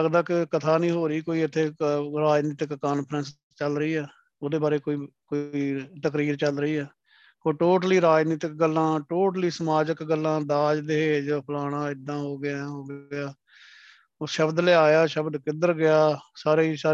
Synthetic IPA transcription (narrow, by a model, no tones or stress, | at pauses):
əɡd̪aːkɪkət̪ʰaːnĩːɦoːɾiːkoːiːɪt̪ʰːeːɾaːd͡ʒnɪːt̪ɪkːaːnpʰəɾəns | t͡ʃəlɾəiːɛː | oːd̪eːbaːɾeːkoːiːkoːiːt̪əkɾiːɾt͡ʃəlɾəiːɛː | koːʈoːʈəliːɾaːd͡ʒnɪt̪ɪk̚ɡəlːãːʈoːʈliːsəmaːd͡ʒəkɡəlːãːd̪aːd͡ʒd̪eɦeːd͡ʒoːpʰəlaːɽ̃ãːɪd̪ãːɦoːɡɪjaɦoːɡɪjaː | oːʃəbd̪lɪaːjaːʃəbd̪kɪd̪əɾɡɪjaːsaːɾeːisaː